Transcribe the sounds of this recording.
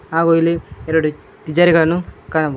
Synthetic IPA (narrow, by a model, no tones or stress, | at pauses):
aːɣojilieɾɐɽu | t̪id͡ʒaːɾiɣɐɭɐnukaːɳɐb